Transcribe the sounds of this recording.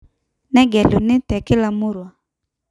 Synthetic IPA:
nɛ˦ɡɛ˨lu˨nɪ˦tɛ˨kɪ˦la˨mʊ˦ɾwa˨

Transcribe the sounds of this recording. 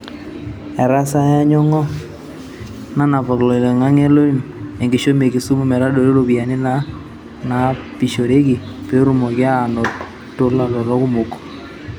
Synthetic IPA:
ɛ˨ɾa˦sa˦ja˦ɲɔ˦ŋɔ˦ | na˦na˨vɔ˨klɔ˨le˨ŋa˦ŋe˦lo˦i˦n˨ɛ˨ŋɡɪ˨ʃo˦me˨kɪ˨su˦mu˦˨mɛ˨ɾa˦do˨ɾe˦ɾo˦bi˨a˨nɪ˦na˦ | na˨˦pi˨ʃo˨ɾe˦kɪ˨ | pe˦ɾu˨mɔ˨kɪ˦a˦˨nɔ˨ | tːo˦la˨lɔ˨ɾɔ˦kʊ˦mo˨kɔ̥˨

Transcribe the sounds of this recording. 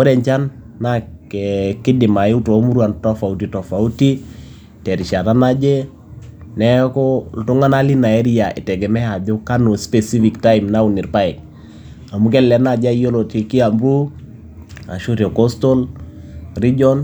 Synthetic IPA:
o˦dɛ˨ɲt͡ʃa˦nː | a˦kɛkɪ˦dɪ˨ma˨ɪ˦u˦to˨˦mu˦ɾwa˨ntɔ˦fa˨u˨ti˨tɔ˨fa˨u˦ti˦ | tɛ˨ɾi˨ʃa˨na˦na˦d͡ʒe˦ | nɛ˦kɔ˦ltu˦ŋa˦na˦li˦na˨ɛ˦ɾi˦a˨ʔɪ̰˨tɛ˨ɡɛ˨mɛ˦a˨bo˦ka˦no˨spɛ˨si˦fi˨kta˦jmna˦u˨ni˨ɾpa˦ɪ˨k̚ | a˨mu˦k̬ɛ˦lɛ˨˦na˦˨d͡ʒa˦jo˦lo˨ti˨ki˦a˨mbɾu˦ | a̰˨ʃu˦te˨kɔ˦sto˦l | ri˦d͡ʒɔ˦n

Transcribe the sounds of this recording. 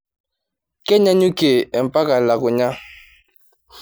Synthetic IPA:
kɛ˦ɲa˦ɲu˦ke˨ɛ˨m̩˨pa˦ka˨la˨ku˨ɲa˦

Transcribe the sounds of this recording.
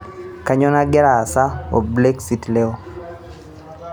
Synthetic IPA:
ka˨˦ɲɔ˦na˦ɡɛ˦ɾa˨sa˦o̰˨ble˦ksi˦tlɛ˦o˦

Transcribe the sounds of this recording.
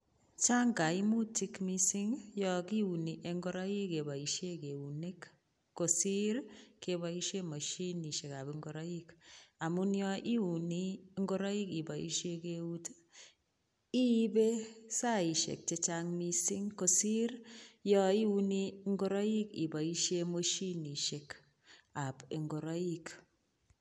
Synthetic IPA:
t͡ʃa˦ŋɡa˨i˦mu˦ti˦kmi˦si˦ŋjɔ˦ki˦u˨ni˨ʔe˨ŋɡo˦ɾa˦ji˦ke˨ba˨i˨ʃe˦ke˨u˨ne˦k | kːo˨si˦ɾke˨ba˨i˦ʃe˦ma˨ʃi˦ni˨ʃe˨ka˨bi˦ŋɡo˨ɾɔ˦i˦ka˨mu˦njɔ˦ʔi˦u˨ni˦ŋɡo˦ɾɔ˦i˦ki˨ba˨ḭ˦ʃe˦ke˦u˦t | i˦be˦sa˦i˨ʃḛ˨k̚t͡ʃe˦t͡ʃa˦ŋni˦si˦ŋko˨si˦ɾjɔ˦i˦u˦ni˦ŋɡo˦ɾɔ˦ji˦kḭ˨ba˨i˦ʃe˦mo˦ʃi˦ni˨ʃe˨k | a˨pe˨ŋɡo˨ɾɔ˦i˦k

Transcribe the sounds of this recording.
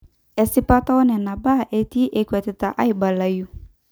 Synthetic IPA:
ɛ˨si˦pa˦tɔ˦ɔ˦nɛ˨na˨ba˦˨ʔe˦ti˦ʔe˦kwɛ˨tɛ˨ta˨ʔa˦i˨ba˨la˨ju˦

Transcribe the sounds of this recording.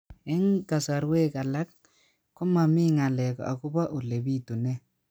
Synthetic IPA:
ɛ˦ŋka˨sa˨ɾwe˦ka˨la˦k | kʊ˦ma˨mi˦ŋa˨lɛ˨ka̰˨ku˦ba˦ʔu˨le˨bi˦tu˨nɛ˦

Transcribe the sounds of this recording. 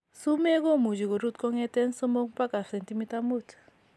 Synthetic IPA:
su˦mɛ˦k̬o˦mu˨d͡ʒi˨ko˨ɾu˦˨t̚kɔ˦ŋɛ˦tɛ˦nsɔ˦mo˦ŋpa˦ka˨sɛ˨nti˦mi˦ta˦mu˦˨tʰ

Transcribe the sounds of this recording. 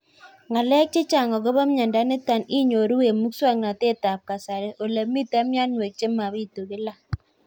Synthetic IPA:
ŋa˨lɛ˦k̚t͡ʃe˦t͡ʃa˨ŋɔ˨ɣo˦βa˦mɲa˨nda˦nɪ˦ta˨ni˦ɲo˨ɾu˦we˨mu˦kswa˦ŋna˨te˦ta˨p̚ka˨sa˨ɾe˦ʔo˨le˨mi˦ta˦mja˦nwe˨k̚t͡ʃe˦ma˨βi˦tu˨ɣɪ˦la˦

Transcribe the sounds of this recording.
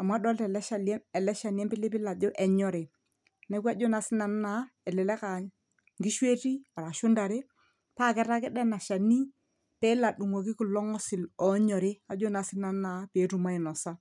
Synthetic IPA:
a˨ma˦dɔ˦ltɛ˨lɛ˦a˨lɛ˨lɛ˦ʃa˨n˦ɛ˦mpɪ˦lɪ˦pɪ˦la˨d͡ʒo˦ʔɛ˨ɲɔ˦ɾe˨ | nɛ˦kwa˦d͡ʒo˦na˨sɪ˦na˨n˦na˨˦ɛ˨lɛ˨lɛ˦ka˨ | ŋɡi˦ʃwe˦ti˦a˨ɾa˨ʃʊ˦nda˨ɾe˦ | pa˦˨kɪ˦ɾa˦kɪ˦dɛ˦na˨ʃa˨ni˦ | pe˦la˨ɗu˨ŋwo˨k̬ɪ˦kɪ˨lɔ˦ŋɔ˦sɪ˨lɔ˨˦ɲɔ˨ɾe˦a˨d͡ʒo˦na˨sɪ˦na˨n˦na˨˦pe˨˦tu˨˦ma˦ɪ˨nɔ˨sa˦

